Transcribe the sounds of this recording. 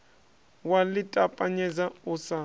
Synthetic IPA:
walɪtʼapʼaɲɛzaʊsa

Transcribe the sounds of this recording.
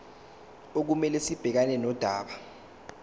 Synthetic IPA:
ok̬umɛlɛsib̥ʱɛk̬anɛnɔd̥ʱaːɓa

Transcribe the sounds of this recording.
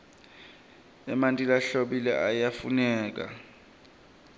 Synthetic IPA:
ɛmantʼilaɬoɓilɛ̰ʔajafunɛːk̬ʼa̰

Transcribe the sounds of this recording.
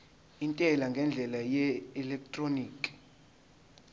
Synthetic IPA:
intʼɛlaŋɡʱɛnd͡ɮʱɛlajɛɛlɛk̚ʰtʼroniːkʼi̥

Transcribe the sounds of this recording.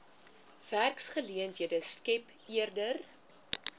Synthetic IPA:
v̥ærksχəliəntɦiədəskɛp | iərdər

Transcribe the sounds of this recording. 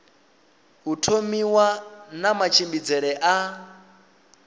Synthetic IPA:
ɦutʰomiwanamat͡ʃʰimbid͡zɛɺɛʔa

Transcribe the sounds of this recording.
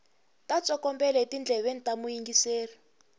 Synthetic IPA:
tat͡sɔkɔmbɛlɛtind͡ɮʱɛβen̩tamujiŋɡiseːri

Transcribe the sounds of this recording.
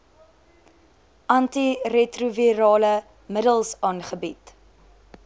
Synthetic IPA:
ʔɐntiretruviɾɑːlə | mədəlˠsɑːnχəbit

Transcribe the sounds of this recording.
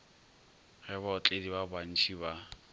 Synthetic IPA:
ɣɛbaʊt͡ɬʼedibaban̩t͡ʃʰiba

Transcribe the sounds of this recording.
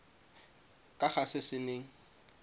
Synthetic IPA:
kʼaχasɪsɪneːŋ̩

